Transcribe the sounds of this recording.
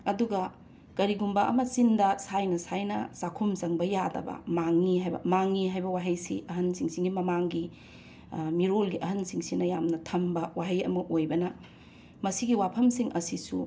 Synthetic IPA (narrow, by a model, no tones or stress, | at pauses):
ɐduɡɐ | kɐɾiɡumbɐʔɐ̰mɐsindɐsajnɐsajnɐ̰sakʰumzɐŋbɐjadɐ̰bɐ̰maŋːiɦajbɐ̰maŋːiɦajbɐwaɦɐjsḭʔɐɦɐnsiŋsiŋɡimɐmaŋɡi | miɾolɡiʔɐɦɐnsiŋsinɐjamnɐtʰɐmbɐwaɦɐjɐ̰mɐʔojbɐnɐ | mɐsiɡiwapʰɐmsiŋʔɐsisṵ